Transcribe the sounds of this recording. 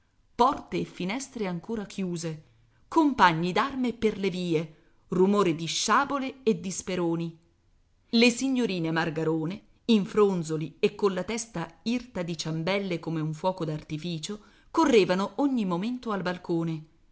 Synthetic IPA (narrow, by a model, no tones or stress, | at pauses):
pɔrt̪eːfːinɛst̪ɾeaŋkoːɾakʰjuːze | kompaɲːid̪armeperleviːe | rumoːɾed̪iʃːaːboleːd̪ːispeɾoːni | lesiɲːoɾiːnemarɡaɾoːne | iɱfɾonzoliekːonlat̪ɛst̪airt̪ad̪it͡ʃambɛlːekomeuɱfwɔːkod̪art̪ifiːt͡ʃo | korːeːvanoʔoɲːimoment̪oalbalkoːne